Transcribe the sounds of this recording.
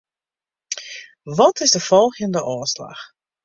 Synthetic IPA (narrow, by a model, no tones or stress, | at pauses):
ʋɔtɪzdəfɔlˠɣjəndəʔoːsla̰x